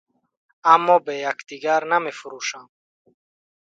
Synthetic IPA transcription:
amːɔbejakd̪iɡaɾnamefuɾuʃam

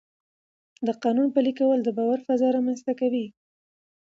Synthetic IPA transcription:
d̪əqɑnunpəlikawəld̪əbɑwaɾfazɑɾamanzt̪akawi

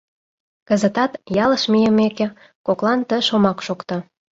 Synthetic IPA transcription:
kə̆zə̆t̪ɑt̪jɑləʃmijəmekĕ | koklɑnt̪əʃomɑkʃokt̪ɑ

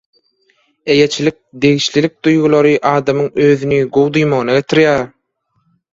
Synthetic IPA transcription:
eje̞t͡ʃʰilik̚d̪e̞ɣiʃlilik̚d̪ujɣulˠoɾɯʔɑːd̪ɑmɯŋøːðynyɡowd̪ujmoɣɯnɑɡe̞t̪ʰiɾjæɾ

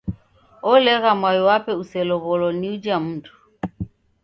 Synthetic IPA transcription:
ɔlɛɣamwajɔwapɛusɛlɔɣɔlɔniud͡ʒam̩ːtʰʼu̥

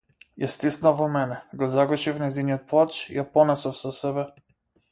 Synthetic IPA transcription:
jast̪isnalvɔmɛnɛɡɔzaɡɔʃifnɛjziniɔt̪̚plˠat͡ʃijapɔnɛsɔfsɔsɛbɛ

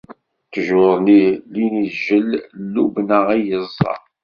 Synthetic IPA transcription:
θʒoɾˤniliniðʒəllːubnəʁijəzˤːɑ̰

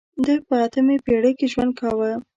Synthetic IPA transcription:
d̪əpəat̪əmepeɽəkeʒwand̪̚kʰɑwə

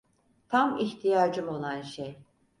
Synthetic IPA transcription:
t̪ʰamiçt̪ʰijaːd͡ʒɯmo̞lˠanʃej

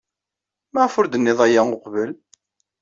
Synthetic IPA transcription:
mæʁfʊɾd̪ənːɪðˤæjaʊqvəl

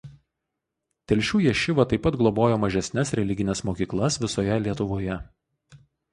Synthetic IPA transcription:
t̪ʲɛlʲʃʲuːjɛʃʲɪʋɐt̪ɐɪpːɐt̪ɡlˠɔboːjoːmɐʒʲɛsʲnʲɛsɾʲɛlʲɪɡʲɪnʲɛsmoːkʲiːklˠɐsʋʲɪsoːjɛlʲiɛt̪ʊʋoːjɛ

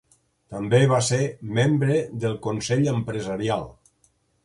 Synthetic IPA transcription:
t̪əmbeβasemembɾeðəlˠkonsɛʎəmpɾəzaɾialˠ

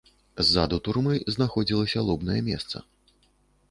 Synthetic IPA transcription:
zːad̪ut̪urmɨznaxɔd͡zʲilˠɐsʲɐlˠɔbnɐjɛmʲɛst̪sɐ̰

